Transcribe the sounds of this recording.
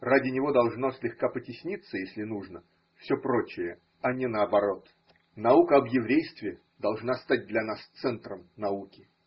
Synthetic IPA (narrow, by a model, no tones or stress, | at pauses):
radʲɪnʲɪvo̞d̪ɐlˠʐnosʲlʲɪxkapətʲɪsʲnʲit̪sːəjesʲlʲɪnuʐnə | fsʲɵpɾo̞t͡ɕɪjə | ɐnʲɪnəɐbɐɾo̞t̪ | nɐukəɐbjɪvɾʲejst̪vʲɪ | d̪ɐlˠʐnast̪ad̚ʲd̪lʲɐnast̪sɛnt̪ɾəmnɐukʲɪ